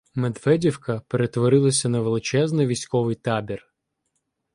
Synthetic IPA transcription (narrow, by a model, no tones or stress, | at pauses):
med̪ʋɛdʲiwkɐpeɾet̪ʋɔɾɪlˠɐsʲɐnɐʋelˠɪt͡ʃɛznɪʋʲisʲkɔʋɪjt̪ɑbʲir